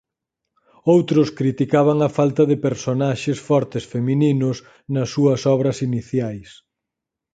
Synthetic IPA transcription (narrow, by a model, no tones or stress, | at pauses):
owt̪ɾʊskɾit̪ikaβɐŋɐfalt̪ɐðepeɾsonaʃesfɔɾt̪ɪsfemininʊs | nɐsːuɐsɔβɾɐsiniθjajs